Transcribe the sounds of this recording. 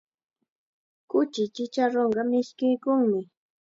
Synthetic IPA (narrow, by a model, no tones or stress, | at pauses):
kʊt͡ʃɪt͡ʃɪt͡ʃaɾoɴɢɑmɪʃkɪjkʊŋmɪ